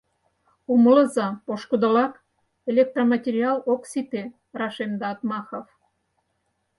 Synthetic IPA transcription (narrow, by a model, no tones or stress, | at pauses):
uməlɤ̆zɑpoʃkod̪ŏlɑk | elʲek̚t̪romɑtʲeɾʲiɑloksit̪e | rɑʃemd̪ɑɑt̪mɑxof